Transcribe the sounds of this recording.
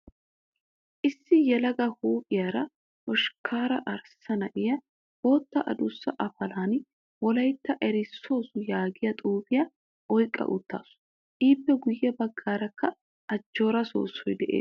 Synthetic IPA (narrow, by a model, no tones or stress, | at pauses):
ʔɪsːɪjɛlɐɡɐhuːkʼɪjaɾɐ | ʔɔʃkʰaːɾɐʔɐɾsɐnɐʔɪjɐ | ho̞ːt̪ːɐʔɐ̰d̪ʊsːɐʔɐfɐlaːn | wɔlɐjt̪ːɐʔɛɾɪsːo̞ːsʊjaːɡɪjɐt̪ʼuːbɪjɐ | ʔɔjkʼːɐ̰ʔʊ̰t̪ːa̰ːsʊ̥ | ʔiːpːɛɡʊjːɛbɐɡːaːɾɐkːɐ | ʔɐd͡ʒːo̞ːɾɐso̞̰ːsːɔjd̪ɛʔe̞̰ː